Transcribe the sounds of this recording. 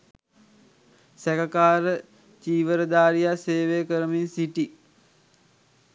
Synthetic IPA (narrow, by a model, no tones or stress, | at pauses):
sɛkakaːɾə | t͡ʃiːʋəɾəd̪aːɾijaseːʋejəkəɾəminsiʈi